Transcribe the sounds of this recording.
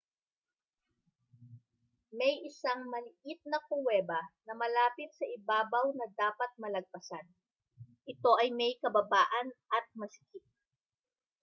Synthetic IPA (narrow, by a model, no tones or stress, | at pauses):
mɛjʔɪsaŋmɐlɪʔɪt̪̚nɐkʊwɛːbɐnɐmɐlaːpɪt̪̚sɐʔɪbaːbɐwnɐd̪aːpɐt̪̚mɐlɐɡ̚pɐsan | ʔɪt̪o̞ʔɐjmɐjkɐbɐbaːʔɐnʔɐt̪̚mɐsɪ̥kɪt̪̚